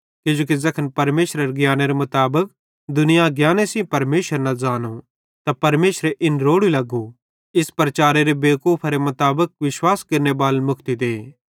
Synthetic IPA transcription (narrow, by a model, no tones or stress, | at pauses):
kɪd͡ʒoːk̬izɐkʰənpɐɾmeːʃɾəɾeɡjaːneɾemɐt̪aːbək̚ | d̪ʊnɪjaɡjaːnesĩpɐɾmeːʃəɾnazaːnũ | t̪apɐɾmeːʃɾeʔɪnɾoːɽilɐɡu | ɪspɾɐt͡ʃaːɾeɾebeːkuːpʰaɾemɐt̪aːbək̚ʋɪʃwaːskɐɾnebaːlmʊkʰt̪id̪eː